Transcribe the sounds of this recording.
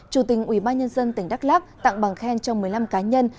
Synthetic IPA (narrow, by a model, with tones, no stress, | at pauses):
t͡ɕu˨˧˩t̪ï˨˩ŋ̟ʔwḭ˧˩ɓaː˧nɲə˧nzə˧nt̪ï˧˩ŋ̟ɗa˦˥laː˦˥p̚t̪a̰ː˧˨ŋɓa˨˩ŋxɛ˧nt͡ɕɔ˧ŋ͡mmɨ˨˩əjla˧mkaː˨˦ɲə˧n